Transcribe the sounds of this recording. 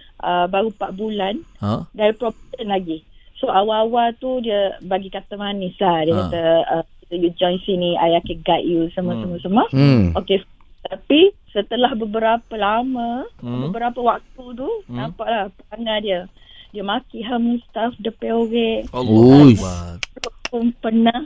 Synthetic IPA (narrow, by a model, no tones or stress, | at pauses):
ʔəbaɾupaʔbulandaɾipɾɔpt̪ənlaɡisoʔawawat̪udiəbaɡikat̪əmanislahdiəkat̪əəkit̪əjud͡ʒɔjnsiniajakəɡaʔ̪jusəməsəməsəməoke | t̪apisət̪əlahbəbəɾapəlaməbəbəɾapəwak̚t̪ut̪̬unãpaʔlahpəkaŋadiə | diəmakiɦamust̪afdəpeoɡɛʔ | loʔpunpərnah